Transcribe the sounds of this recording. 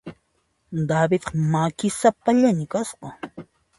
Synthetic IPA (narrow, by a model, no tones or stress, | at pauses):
d̪abɪt̪qɑmakɪsapaʎamɪkasqɑ